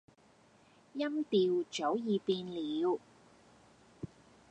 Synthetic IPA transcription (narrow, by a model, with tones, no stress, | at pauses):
jɐ˥mt̪iː˨˧wt͡ʃo˨˥wjiː˨˧piː˧nliː˨˧w